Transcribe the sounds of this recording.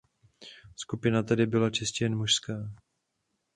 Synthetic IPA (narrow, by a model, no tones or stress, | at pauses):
skupɪnat̪adɪbɪlat͡ʃɪscɛjɛnmuʃskaː